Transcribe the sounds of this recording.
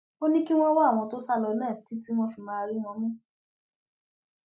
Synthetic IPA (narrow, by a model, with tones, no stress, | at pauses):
o˦nĩ˦ki˦w̃ɔ̃˦wa˦˨w̃ɔ̃˧to˦sa˦˨lɔ˧˦nãː˦˨ti˦ti˦w̃ɔ̃˦fi˨mãː˦˧ɾi˦w̃ɔ̃˧˦mĩ˦